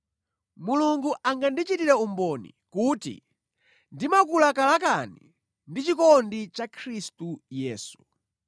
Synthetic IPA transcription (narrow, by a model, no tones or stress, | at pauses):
muluŋɡuʔaŋɡandit͡ʃitiɾɛumbɔnḭkuːtḭ | ndimakulakalakani | ndit͡ʃikɔndit͡ʃakʰɾistujɛːsu̥